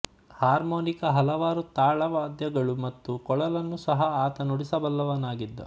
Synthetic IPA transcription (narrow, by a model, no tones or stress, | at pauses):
haːɾmoːnikɐɦɐlɐʋaːɾut̪aːɭɐʋaːd̪jɐɡɐɭumɐt̪ːukɔɭɐlɐnːusɐɦɐaːt̪ɐnuɽisɐbɐlːɐʋɐnaːɡid̪ːɐ̰